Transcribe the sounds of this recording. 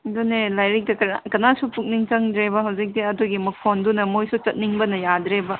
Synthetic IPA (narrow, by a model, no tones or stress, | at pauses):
dunelajɾik̚dɐkɐakɐnasupuk̚niŋt͡ʃɐŋdɾebɐɦɐwzik̚diɐduɡimɐkʰondunɐmojsut͡ʃɐt̚niŋbɐnɐjadɾebɐ